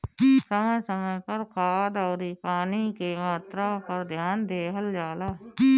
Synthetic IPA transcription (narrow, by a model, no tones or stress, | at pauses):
səməjsəməjpəɾkʰaːd̪ɔːɾipaːnikemaːt̪ɾapɐɾd̪ʱjaːnd̪eːɦəld͡ʒaːlaː